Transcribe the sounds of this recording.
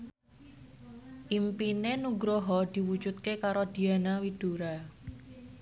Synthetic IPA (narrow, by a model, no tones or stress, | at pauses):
ʔimpinenuɡɾoɦɔd̪̥i̤wu̥d͡ʒut̪̚kekaɾod̪̥i̤anawid̥uɾa